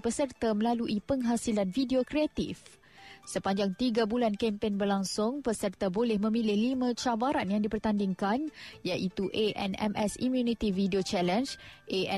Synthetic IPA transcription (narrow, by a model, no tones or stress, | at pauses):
pəsərt̪amə̃laluʔipəŋɦasilanfidiokɾeat̪ḭf | səpaɲd͡ʒaŋt̪iɡabulankɛmpenbərlaŋsʊŋpəsərt̪abolɪhmə̃mĩlɪhlimãt͡ʃabaɾanjaŋdipərt̪andiŋkanjaʔit̪uʔeʔɛ̰nɛ̰mʔɛsḭmjunit̪ividiot͡ʃɛlɛnsʔe